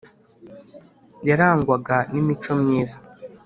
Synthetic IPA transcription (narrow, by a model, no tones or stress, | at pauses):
jaɾaːŋɡwaɡanimit͡ʃo̞mɲiːza